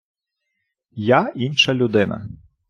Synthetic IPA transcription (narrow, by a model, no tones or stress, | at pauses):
jainʃɐlʲʊd̪ɪnɐ̰